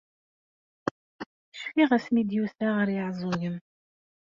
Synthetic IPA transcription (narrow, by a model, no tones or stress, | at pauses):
ʃfiʁæsmid̪juθaʁəɾjəʕzˤʊʝəm